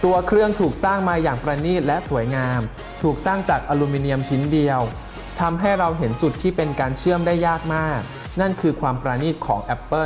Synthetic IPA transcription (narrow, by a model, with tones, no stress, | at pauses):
t̪u˧ɐkʰɾɯ˥˩əŋt̪ʰuː˨˩k̚saː˥˩ŋmaː˧jaː˨˩ŋpɾaː˧niː˥˩t̪̚lɛ˦˥su˨˩˦jŋaː˧m | t̪ʰuː˨˩k̚saː˥˩ŋt͡ɕaː˨˩k̚ʔaː˧luː˧miː˧ni˧əmt͡ɕʰi˦˥ndi˧əw | t̪ʰa˧mɦa˥˩jɾa˧wɦe˩˦nt͡ɕu˨˩t̪ʰːiː˥˩pe˧nkaː˧nt͡ɕʰɯ˥˩əmdaː˥˩jːaː˥˩k̚maː˥˩k̚ | na˥˩nkʰɯː˧kʰwaː˧mpɾaː˧niː˥˩t̪̚kʰɔː˩˦ŋʔɛ˦˥pːɤ˥˩